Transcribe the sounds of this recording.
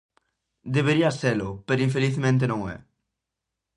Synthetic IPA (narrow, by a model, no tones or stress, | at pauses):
d̪eβeɾiaselʊpeɾʊiɱfeliθmẽnt̪̬enõŋɛ̰